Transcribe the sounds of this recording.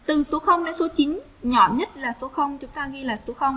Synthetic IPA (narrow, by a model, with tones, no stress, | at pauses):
t̪ɨ˨˩so˨˦xə˧wŋ͡mnəː˨˦so˨˦t͡ɕï˨˦ŋ̟ | ɲɔ̰˧˩ɲə˦˥t̚laː˨˩so˨˦xə˧wŋ͡mt͡ɕʊ˨˦ŋ͡mt̪aː˧ɣi˧jlaː˨˩so˨˦xə˧wŋ͡m